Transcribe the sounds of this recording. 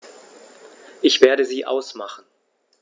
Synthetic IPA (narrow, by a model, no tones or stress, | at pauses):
ʔɪçv̥eːɐɾəziːʔa̰ʊsmaχn̩